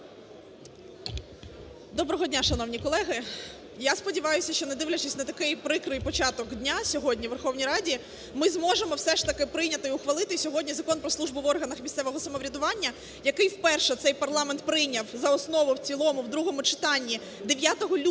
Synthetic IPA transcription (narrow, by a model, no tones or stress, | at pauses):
d̪ɔbɾɔɦɔdʲnʲaʃɐnɔwnʲikɔlˠɛɦɪ | jaspɔdʲiʋɑjʊsʲɐʃt͡ʃɔnɛd̪ɪʋlʲɐt͡ʃɪsʲnɐt̪ɐkɪjpɾɪkɾɪjpɔt͡ʃɑt̪ɔkdʲnʲasʲɔɦɔdʲnʲiʋerxɔwnʲijɾɑdʲi | mɪzmɔʒemɔwsɛʃt̪ɐkɪpɾɪjnʲɐt̪ɪʊxʋɐlˠɪt̪ɪsʲɔɦɔdʲnʲizɐkɔnpɾɔsˠuʒbʊʋɔrɦɐnɐxmʲisʲt̪ɛʋɔɦɔsɐmɔʋɾʲɐd̪ʊʋɑnʲːɐ | jɐkɪjwpɛrʃɛt̪sɛjpɐrlˠɑmeɛnt̪̚pɾɪjnʲɐwzɐɔsnɔʋʊwt͡sʲilˠɔmʊwd̪ɾuɦɔmʊt͡ʃɪ̥t̪ɑnʲːi | d̪eʋʲjat̪ɔɦɔlʲ